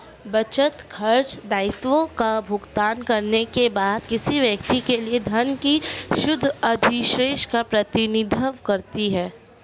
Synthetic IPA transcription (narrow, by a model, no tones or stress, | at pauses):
bɐt͡ʃət̪kʰɐɾt͡ʃd̪aːɪt̪ʋõkabʱʊɡt̪aːnkɐɾnekebaːd̪kɪsiʋjɐkt̪ikelied̪ʱɐnkiʃʊd̪ʱɐd̪ʱiʃɾeːʃkapɾɐt̪ɪnɪd̪ʱəʋkɐɾt̪iɦɛː